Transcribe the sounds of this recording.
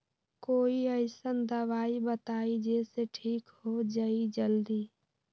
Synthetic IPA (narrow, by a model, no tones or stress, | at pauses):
koːiəɪsənd̪əʋaːibət̪aid͡ʒeseʈʰiːkɦod͡ʒəid͡ʒəld̪iː